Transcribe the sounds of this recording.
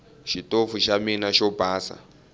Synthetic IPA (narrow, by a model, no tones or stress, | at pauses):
ʃitofuʃaminaʃɔbaːsa̰